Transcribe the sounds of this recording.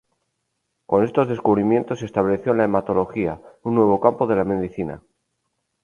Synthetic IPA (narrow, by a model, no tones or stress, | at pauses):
ko̞ne̞st̪o̞zðe̞skuβɾimje̞nt̪osest̪aβle̞θjo̞laemat̪o̞lo̞xia̰unːwe̞β̞o̞kampo̞ðe̞lame̞ðiθina̰